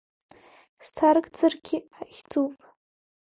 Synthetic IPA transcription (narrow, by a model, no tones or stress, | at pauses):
st͡sʰarkʼd͡zɨrɡʲɪaχʲt͡sʰupʼ